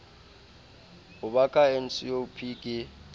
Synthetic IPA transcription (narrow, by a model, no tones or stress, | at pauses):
ʊɓakʼaen̩t͡sʼijoupʰiːkʼɪ